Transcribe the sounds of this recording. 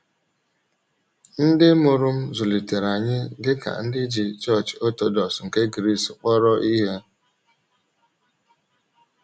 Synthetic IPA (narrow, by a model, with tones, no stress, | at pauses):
n̩˦dɪ˦mʊ˨ɾʊ˦m̩˦zʊ˨li˨te˨ɾa˨ɲɪ˦dɪ˦ka̰˨n̩˦dɪ˦d͡ʒi˨t͡ʃɔ˦˨t͡ʃo˦to˦dɔ˨sŋ̩˨ke˦ɡɾi˦˨sk͡pɔ˦ɾɔ˦ʔi˦ɦe˦